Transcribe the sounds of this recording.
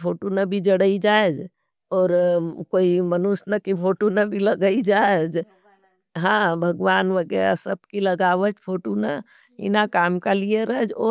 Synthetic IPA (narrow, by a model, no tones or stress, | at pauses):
pʰoːʈonabʱid͡ʒəɽəid͡ʒaed͡ʒ | ɔːɾkoːimənusnakipʰoːʈonabʱiləɡəid͡ʒaed͡ʒ | ɦãbʱəɡʋaːnʋəɡɛɾa̰səb̚kiləɡaːʋət͡ʃpʰoːʈona̰ | ɪ̰nakaːmkalieɾəɛd͡ʒɔː